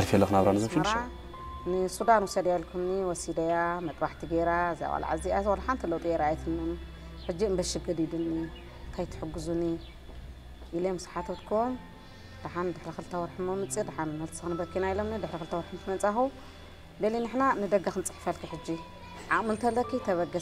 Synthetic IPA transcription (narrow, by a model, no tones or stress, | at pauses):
alfelːɐxnaβɾanɨzɨfmɐɾa | nɨsud̪anwusɐd̪jalkʰumniwɔsid̪ɐjamɐt̪ʼbaħt̪ʰiɡeɾaza̰wʼa̰la̰ʕa̰ziazwolħant̪ʰilowt̪ʼjeɾaajt̪ʰɨmːom | ħɨd͡ʒːiɨmbɐʃɨɡɨd̪id̪ɨnːi | nt̪ʰajt̪ʰɨ̥ħɨɡːɨzuni | ʔilemɨsħat̪ʰot̪kʰom | d̪̥aħand̪ɨħɾixɨlt̪ʰɐwɔɾħɨmomɨt͡sʼid̪aħanmɐlt̪sɨxnbɐkʰːinajilo̞mnid̪ɨħɾixɨlt̪ʰɐwɔɾħɨmɨt̪mɐnt͡sʼaxu | d̪elinɨħnanɨd̪ɐɡaxɨnt͡sʼɨ̥ħfɐlkʰiħɨd͡ʒːi | ʕaʔʼmɨnt̪ʰɐlɐkʰːit̪ʰɐβɐɡɐ